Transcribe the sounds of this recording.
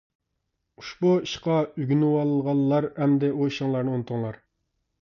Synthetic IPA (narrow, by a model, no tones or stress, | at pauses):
uʃbuiʃqɑyɡʲynɪwɑlˠlˠʁɑlˠːɑɾhɛmd̪ɛʔoiʃɨŋlˠɑɾnɨunɨt̪ʰɨŋlˠɑɾ